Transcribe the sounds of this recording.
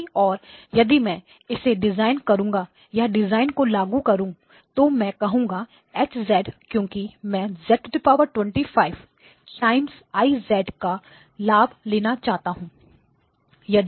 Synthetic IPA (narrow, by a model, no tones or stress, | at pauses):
ɔːɾjɐd̪imɛ̃ː | ɪseɖɪzaːɪnkɐɾũːŋɡa | jaɖɪzaːɪnkolaːɡukɐɾũ | t̪omɛ̃kɐɦũːŋɡa | ɛːt͡ʃzɛːɖkjõːkimɛ̃zɛːʈɖɪpaːʋəɾʈwɛ̃ɳʈifaːɪʋ | ʈaːɪms | aːizɛːɖka | laːbleːnat͡ʃaːɦt̪aɦũː | jɐd̪